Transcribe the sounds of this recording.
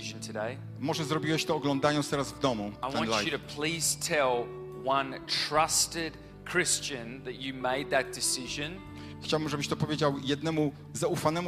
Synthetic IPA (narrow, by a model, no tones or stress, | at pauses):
ʒ̃n̩tʰɨdeɪ | mɔʐɛzɾɔbʲiwɛɕt̪ɔːɡlɔ̃nd̪ajɔnt̪t̪ɛɾazvd̪ɔmuaɪwɛ̃nlaɨɾɨpʰl̥iz̥tʰɛlˠ | wʌ̃ntʰɹ̥ʌstɪd̚ | kʰɹ̥ɪst͡ʃɨ̃nðɨt͡ʃɨmeɪd̪̚ðɨt̚d̥ɨsɪʒɨ̃n | xt͡ɕawbɘmʐɛbɘɕt̪ɔpɔvʲjed͡ʑawjɛd̪̚nɛmu | zaufanɛmu